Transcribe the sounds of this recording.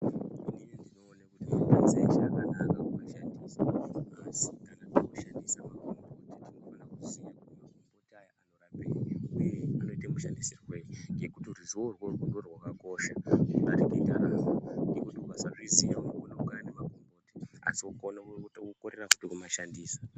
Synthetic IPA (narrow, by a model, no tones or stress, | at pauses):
inijndino̞ːnakuimapenzeʐakanakakumaʃandisamaaazikanatikuʃandisamaomautitinoonakuzijakutmakombotajanorapeieano̞itamuʃandisirweijɡe̞kutiruʐio̞rworwundorwakako̞ʃaʐibaɾikoitaɾaŋoɡekutiwazaʐizijaunokunaukaanimakombo̞ti̥a̰siukonokukoɾerakutikumaʃandiːsḁ